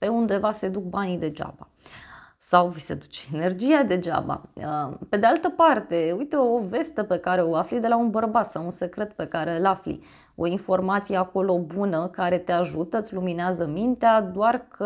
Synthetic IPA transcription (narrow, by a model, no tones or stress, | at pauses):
pe̞und̪e̞vase̞d̪uk̚banid̪e̞d͡ʒa̰ba | sawvise̞̰d̪ut͡ʃeene̞rd͡ʒiad̪e̞d͡ʒa̰ba̰əpe̞d̪ealt̪əpart̪e̞ujt̪e̞ove̞st̪epe̞kaɾe̞oaflid̪e̞launbərbat̪sawunse̞kɾe̞t̪pe̞kaɾe̞əlaflḭ | o̞info̞rmat̪sijeako̞lo̞bunəkaɾe̞t̪eaʒut̪ət̪sʲlumineazəmint̪ead̪oarkʰə